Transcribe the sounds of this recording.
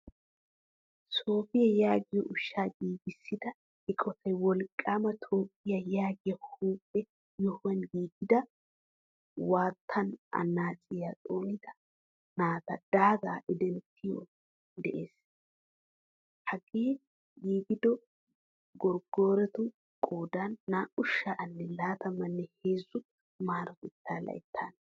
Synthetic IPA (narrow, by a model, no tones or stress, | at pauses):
so̞ːfɪjɐjaːɡɪjɔʔʊʃːaːɡiːɡɪsːɪd̪ɐ | ɪkʼɔt̪ʰɐjwɔlkʼːaːmɐt̪ʰo̞ːpʼːɪjɐjaːɡɪjɐhuːpʼːɛ | jɔhʊwɐnɡiːɡɪd̪ɐ | waːt̪ʰːɐnɐ̰nːaːt͡sʼːɪjat͡sʼoːnɪd̪ɐ | naːt̪ɐd̪̥aːɡaːʔɪd̪ɛnt̪ʰɪjo̰ | d̪ɛʔeːs | hɐɡeː | jiːɡɪd̪ɔ | ɡɔɾɡoːɾɛt̪ʊ | kʼoːd̪aːnːaːʔʊʃːaʔɐnːɛlaːt̪ɐmɐnːɛheːzːʊ | maːɾɐt̪ɪt̪ʰːaːlɐ̰jɪt̪ʰːan